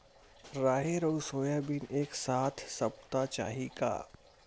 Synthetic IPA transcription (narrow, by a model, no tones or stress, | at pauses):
ɾaːɦeɾɐusoːjaːbineːksaːt̪ʰsɐpt̪at͡ʃa̰ːɦika̰ː